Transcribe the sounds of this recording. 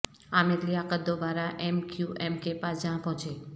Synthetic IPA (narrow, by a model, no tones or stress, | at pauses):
ameɾliakəd̪obaɾaʔemkjuʔɛmkepad͡ʒãpɔ̃t͡ʃʰe